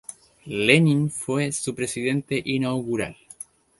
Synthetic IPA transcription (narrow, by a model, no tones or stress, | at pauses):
leninfwesupɾe̞siðe̞nt̪e̞ʔinawɣuɾa̰l